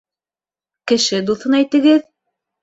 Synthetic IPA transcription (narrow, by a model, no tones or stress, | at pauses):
kɘ̆ʃɘd̪uθɤnæjt̪ɘ̆ɡɘð